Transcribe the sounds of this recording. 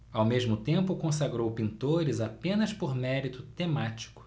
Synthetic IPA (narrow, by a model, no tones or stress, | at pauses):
awmeʒmʊt̪ẽmpʊkõsaɡɾowpĩnt̪oɾɪzapẽnɐspoɾmɛɾit̪ʊt̪emat͡ʃi̥kʊ̥